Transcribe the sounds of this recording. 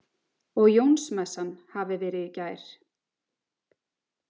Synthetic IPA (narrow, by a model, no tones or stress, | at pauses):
ɔɣjownsmɛsːanhavɪvɛːɾɪðɪcaːjɾ̥